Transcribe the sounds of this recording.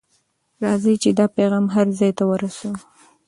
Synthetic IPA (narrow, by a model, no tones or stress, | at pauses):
ɾɑzit͡ʃed̪ɑpeɣɑmɦaɾzɑjt̪awəɾasu